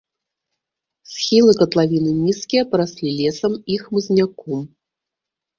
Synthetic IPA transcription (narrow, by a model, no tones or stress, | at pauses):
sʲxʲilˠɨkɐt̪lˠavʲinɨnʲiskʲijɐpɐɾasʲlʲilʲɛsɐmixmɨzʲnʲakɔm